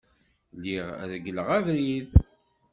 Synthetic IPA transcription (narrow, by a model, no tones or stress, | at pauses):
liʁ̰ɾɡələʁævɾið